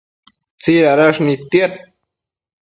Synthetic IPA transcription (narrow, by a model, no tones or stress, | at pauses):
t͡siɾaɾaʂnit̪jet̪̚